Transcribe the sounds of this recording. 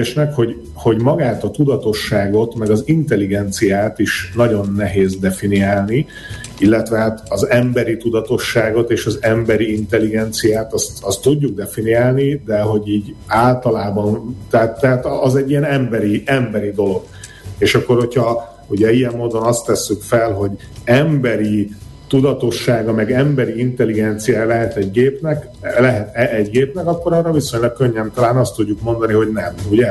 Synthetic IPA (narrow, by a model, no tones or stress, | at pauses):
ʃnɛkho̞ɟ | ho̞ɟmɒɡaːt̪ɒt̪ud̪ɒt̪o̞ʃːaːɡo̞t̪mɛɡɒzint̪ɛliɡɛnt̪sijaːt̪iʃnɒɟo̞nːɛɦeːzd̪ɛfiniaːlni | ilːɛt̪ʋɛɦat̪ɒzɛmbɛɾit̪ud̪ɒt̪o̞ʃːaːɡo̞t̪eːʃɒzɛmbɛɾiint̪ɛliɡɛnt̪sijaːt̪ɒst̪ɒst̪ːuɟːuɡ̚d̪ɛfiniaːlnid̪ɛɦo̞ɟiːɟaːlt̪ɒlaːbɒnt̪ɛat̪ːɛɦaːt̪ɒzɛɟːijɛnɛmbɛɾiɛmbɛɾid̪o̞lo̞ɡ̥ | eːʃɒkːo̞rho̞chɒ | huɟɛijɛmːoːd̪o̞nɒst̪ːɛsːykfɛlɦo̞ɟ | ɛmbɛɾit̪ud̪ɒt̪o̞ʃːaːɡɒmɛɡɛmbɛɾiint̪ɛliɡɛnt̪sijaːjlɛɦɛt̪ɛɟɡeːpnɛk | lɛɦɛt̪ɛɛɟɡeːpnɛkɒkːo̞ɾɒrɒviso̞ɲlɒk̚kø̞ɲːɛmt̪ɒlaːnɒst̪ːuɟːukmo̞nd̪ɒniɦo̞ɟnɛmuɟɛ